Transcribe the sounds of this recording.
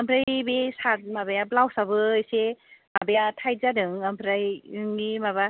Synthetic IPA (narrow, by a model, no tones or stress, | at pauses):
ampʰɾajbesat̚mabajablawsabɯjsemabeatʰajzadɯŋampʰɾajɯŋːimaba